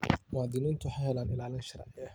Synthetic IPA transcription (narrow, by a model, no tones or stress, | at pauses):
mʊwaːd̪ɪniːnt̪ʰʊħaɦɛːlaːnɪlaːlɪnʃɐɾa̰ːʕɪɐ